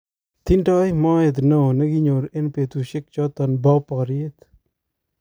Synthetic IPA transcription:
t̪ʰinʈaːjmaːet̪nonɐɡiɲoɾenpet̪uɕek̚t͡ʃaːt̪ɐnbaːpaːɾiet̪

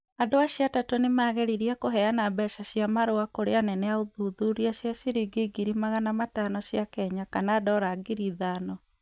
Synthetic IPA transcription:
adoaɕiatatonemaːɣɛɾiɾiakoɦɛanabɛʃaɕiamaɾoakoɾeanɛnɛaoðuðuɾiaʃjaʃiɾiɡeɡiɾimaɣanamatanɔɕjakɛɲakanadɔɾaɡiɾiðanɔ

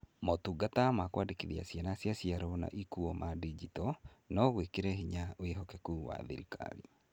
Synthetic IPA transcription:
motuɡatamakwadikiðia̰sianasjasiaɾɔna̰ʔikuɔmʔadid͡ʒitɔnɔɣwekeɾɛɦiɲaoeɦɔkɛkuːwa̰ðḭɾika̰ɾḭ

